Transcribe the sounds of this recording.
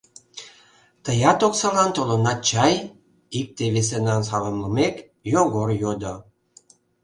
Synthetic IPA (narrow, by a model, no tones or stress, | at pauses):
t̪əjɑt̪oksɑlɑnt̪olənɑt͡ɕɑj | ik̚t̪eβes̬enɑnsɑləmləmek | joɣorjod̪o